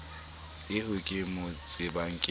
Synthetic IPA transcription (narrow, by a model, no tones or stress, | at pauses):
ɪhʊkʼɪmʊt͡sʼɪbaŋ̩kʼɪ